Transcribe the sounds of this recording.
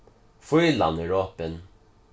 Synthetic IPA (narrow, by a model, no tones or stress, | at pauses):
fʊjla̰nɪɹoːpɪn